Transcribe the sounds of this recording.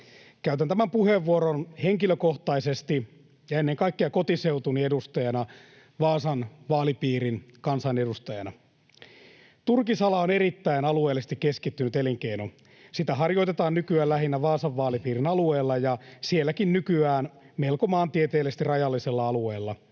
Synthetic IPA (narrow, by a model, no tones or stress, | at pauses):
kæyt̪ænt̪æmæmpuheʋːuoɾonheŋkiløkoht̪ɑisest̪i | jɑenːeŋkɑikːeɑkot̪iseut̪uniedust̪ɑjɑnɑ | ʋɑːsɑnʋɑːlipiːɾinkɑnsɑnedust̪ɑjɑnɑ | t̪urkisɑlɑoneɾit̪ːæinɑlueːlːist̪ikːeskit̪ːynyt̪eliŋkeino | sit̪æɦɑrjoit̪et̪ɑːnnykyæːlæɦinːæʋɑːsɑʋːɑːlipiːrinɑlueːlːɑjɑsielːækinnykyæːn | melkomɑːnt̪iet̪eːlest̪irɑjɑlːiselːɑɑlueːlːɑ